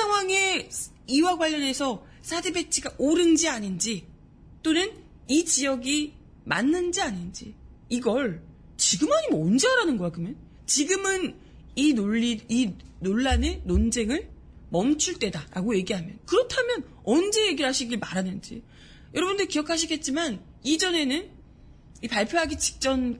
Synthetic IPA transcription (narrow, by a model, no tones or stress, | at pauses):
sʰaŋɦwaŋe̞ | iwaɡwaʎːʌne̞sʰʌ | sʰadebe̞t͡ɕʰiɡaʔoɾɯnd͡ʑiaɲind͡ʑi | t͈onɯn | it͡ɕijʌɡi | ma̰nːɯnd͡ʑiaɲind͡ʑi | iɡʌɭ | t͡ɕiɡɯmaɲimʌnd͡ʑeaɾanɯnɡʌkakɯmjʌn | t͡ɕiɡɯmɯn | inoɭːiinoɭːanenond͡ʑe̞ŋɯɭ | mʌmt͡ɕʰuɭt͈e̞daɾaɡoje̞ɡiɦamjʌnkɯɾʌtʰamjʌn | ʌnd͡ʑe̞je̞ɡiɾɦaɕʰiɡiɭmaɾanɯnd͡ʑḭ | jʌɾʌbundɯkijʌkʰaɕʰiɡe̞t̚t͡ɕ͈iman | id͡ʑʌne̞nɯn | ipaɭpʰjoɦaɡit͡ɕi̥k̚t͡ɕ͈ʌn